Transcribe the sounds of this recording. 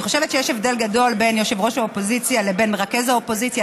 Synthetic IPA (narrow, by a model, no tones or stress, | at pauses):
χo̞ʃevet̪t͡ʃejeʃe̞vd̪e̞lɡad̪o̞lbe̞njoʃevʁo̞ʃaopo̞zit͡sjalebe̞nʁakezaopo̞zit͡sja